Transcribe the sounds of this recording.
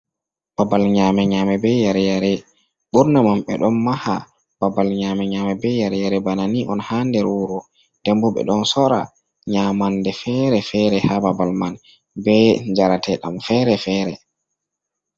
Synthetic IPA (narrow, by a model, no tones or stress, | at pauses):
b̥abalɲamɛɲaːmɛbɛjaɾɛjaɾɛ | ɓuɾnamamɓɛ̰ɗɔnmaha̰ | b̥abalɲaːmɛɲaːmɛbɛjaɾɛjaɾɛbananiʔɔnhandɛɾuɾɔ | d̥ɛmbɔɓɛ̰ɗɔnsɔɾa̰ | ɲaːmandɛfɛɾɛfɛɾɛhababalman | bɛɲd͡ʒaɾatʰɛɗamfɛːɾɛfɛːɾɛ